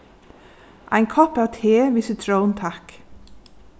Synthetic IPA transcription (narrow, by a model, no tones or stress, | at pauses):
ʔæ̰ɪŋkʰɔpæt̪ʰeːʋisət̪ʰɹəʊnt̪ʰak